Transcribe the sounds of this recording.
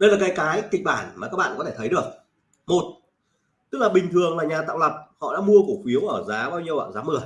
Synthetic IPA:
ɗə˧jlaː˨˩kaː˨˦jkaː˨˦jkï̟˧˨ɓaː˧˩nmaː˨˩kaː˦˥k̚ɓa̰ː˧˨kɔ˦t̪ʰe˧˩t̪ʰə˨˦jɗɨ˨˩ək̚ | mo˨˩t̚ | t̪ɨ˦˥k̚laː˨˩ɓï˨˩ŋ̟t̪ʰɨ˨˩əŋlaː˨˩ɲaː˨˩t̪a̰ː˧˨wlə˨˩p̚hɔ̰˧˨ɗa̰ː˧˥mu˧əko˧˩xi˨˦əwʔəː˧˩zaː˨˦ɓaː˧wɲi˧əwa̰ː˧˨˩zaː˨˦mɨ˨˩ə

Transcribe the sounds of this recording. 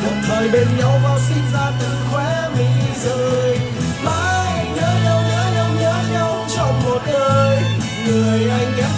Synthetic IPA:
ɗə˨˩t̚zəː˨˩jɓe˧nɲa˧wvaː˨˩wsi˧nzaː˧t̪ɨ˨˩ŋxwɛ˧˥mḭ˨zəː˨˩˨j | ma˧jjɲəː˨˦ɲa˧wɲəː˨˦ɲə˧wɲəː˨˦˥ɲa˧wt͡ɕɔ˧wŋ͡mmo˨˩t̚ɗəː˧j | ŋɨ˨˩əjʔa˧jŋ̟ka˨˦˥

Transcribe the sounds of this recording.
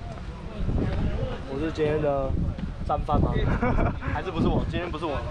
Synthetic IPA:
wɔ˨˩ʂɻ̩˥˩t͡ɕɛ˥njɛ˥nd̪ə˨t͡sa˥˧nfa˥˩t̪a˨˥ | a˧˥ʂɻ̩˥pu˧˥ʂ̬ɻ̩˥˩wɔ˨˩t͡ɕi˥nt̪ʰjɛ˥pu˧˥ʂɻ̩˥˩wɔ˨˩

